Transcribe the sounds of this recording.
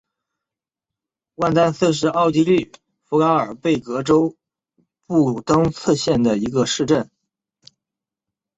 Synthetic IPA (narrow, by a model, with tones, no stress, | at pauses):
wa˥˧nt̪a˥nsʰɤ˥˧ʂ̬ɻ̩˥˧ɑ˥˩˧ʊt͡ɕi˥ly˥˩ | fu˧˥ka˧˥ŋə˞˨˩pe˥˩ɪkɤ˧˥ʈ͡ʂo˥ʊ | pu˥˩t̪ɤ˥ŋt͡sʰɤ˥˧ɕjɛ˥˩nd̪ə˩i˧˥ɡə˧ʂɻ̩˥˧ʈ͡ʂə˥˩n